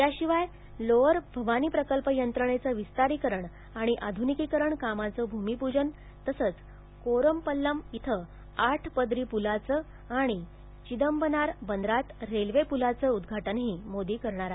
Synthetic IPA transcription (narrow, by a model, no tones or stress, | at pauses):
ɦjaɕiʋaj | loəɾbʱəʋaniːpɾəkəlpəjənt̪ɾəɳ̃et͡səʋist̪aɾiːkəɾəɳ | aɽ̃iʔad̪ʱunikikəɾəɳkamat͡səbʱumipud͡ʑən | t̪əsəːt͡s | koɾəmpəlːəmit̪ʰə | aʈʰpəd̪ɾiːpulat͡sə | aɽ̃i | t͡ɕid̪əmbənaɾbənd̪ɾat̪ɾelʋepulat͡səud̪ɡʱaʈənɦiːmod̪iːkəɾɳ̃aɾa